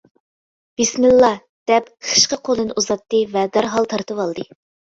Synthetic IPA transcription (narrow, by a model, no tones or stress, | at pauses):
b̥ismɪlˠːɑ | d̪̥ɛpχʰə̥ʃqəqʰolˠɨnɨʔuzɑt̪ːɨvɛd̪æɾɦɑlˠt̪ʰɑɾt̪ɨwɑlˠd̪ɨ